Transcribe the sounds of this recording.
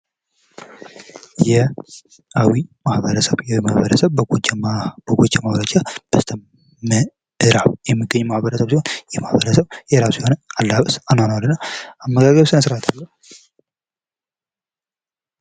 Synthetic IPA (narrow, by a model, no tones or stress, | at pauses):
jɛ | ʔawimahβəɾəsəβjawimahβəɾəsəβɡt͡ʃb̥əɡot͡ʃʼːamaβɾət͡ʃab̥əst̪ʰə | mə | ɨɾaβjɛmːɨɡːəɲːmahβəɾəsəβsihonjɛmahβəɾəsəβjɛɨɾaβsiho̞nəalːaβəsanhonalːɨnːaamːəɡaɡəβsɨnəsɾat̪ʰalːəhu